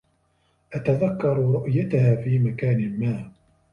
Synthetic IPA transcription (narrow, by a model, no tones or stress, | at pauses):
ʔat̪aðakːɑɾˤɾʊʔjat̪ahaːfiːmakaːnɪmaː